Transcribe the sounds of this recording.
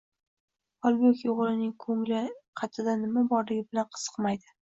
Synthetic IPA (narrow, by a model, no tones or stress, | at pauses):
ɒlˠbekʲjoʁlɪnɪŋkʰɵŋlɪqʰɑt̪ʰɪd̪anɪmabɒɾlɪɡʲɪbɪlanqʰɨ̥z̥ɨ̥qmajd̪ɪ